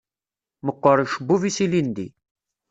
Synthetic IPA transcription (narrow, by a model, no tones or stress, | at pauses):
məqːəɾˤʃəbːuvisilind̪ḭ